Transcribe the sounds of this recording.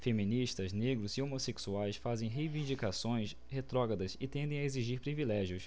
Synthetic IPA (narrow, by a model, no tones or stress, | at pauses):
femĩniʃt̪ɐzneɡɾʊzɪomoseksuajsfazẽj̃ɦejvĩnd͡ʒikasõj̃s | het̪ɾɔɡɐd̪ɐsɪt̪ẽnd̪ẽj̃aeziʒiɾpɾivilɛʒjʊs